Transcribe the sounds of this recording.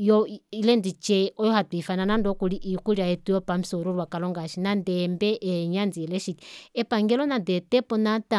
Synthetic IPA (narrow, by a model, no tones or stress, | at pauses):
jɔilɛndit͡ʃɛɔjɔhatifananandɔkuliʔikuliaɛtujɔpamisɔɾuɾwakalɔŋɡaʃinandɛmbɛʔːɲand͡ziɛlɛʃikɛpaŋɡɛlɔnadɛt̪ɛpɔnata